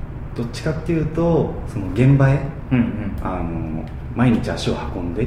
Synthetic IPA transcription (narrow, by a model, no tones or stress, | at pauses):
d̪̥o̞t͡ɕi̥kat̪ːe̞jɯ̟ːt̪o̞so̞no̞ɡẽ̞mbae | ano̰ | maiɲ̟it͡ɕiaɕiohakõ̞nd̪e̞